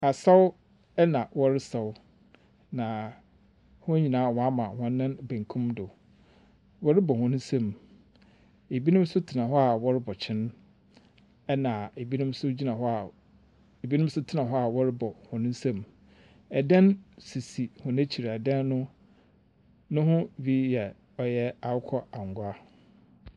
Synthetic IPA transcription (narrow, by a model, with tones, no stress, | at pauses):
a˨sa˦w | ɛ˦nã˨wɔ˦ɾɪ˦sa˨w | nã˨ | hʊ̃˦ɲi˨nãː˨˦˨wɔ̃˨˦a˦mã˨hɔ̃˨nː˦ɪ̃˦n˨bæ̃˨ŋ˨kʰũ˦mdʊ˨ | wɔ˦ɾɪ˦bɔ˨hʊ̃˨nʊ̃˦sã˦m | e˨bi˦nʊ̃˦m˦sʊ˦tʰɪ˨nã˨ɦɔ˦a˨wɔ˦ɾɪ˦bɔ˨t͡ɕʰɪ̃˦n | ɛ˦nã˨e˨bi˦nʊ̃˦m˦sʊ˦d͡ʑi˦nã˨ɦɔ˦a˨ | e˨bi˦nʊ̃˦m̩˦sʊ˦tʰɪ˦˨nã˨ɦɔ˦a˨wɔ˦ɾɪ˦bɔ˨hʊ̃˨nʊ̃˦sã˦m | ɛ˨dɛ̃˦nsi˨si˨hʊ̃˨næ̃˦t͡ɕʰi˨ɾɛ˨dã˦nːʊ̃˦ | nʊ̃˦ɦʊ̃˦bi˦jɛ˨ | ɔ˨jɛ˦a˨ʊ˦kʰɔ˦a˨ŋ˨ɡʊ˨˦a˦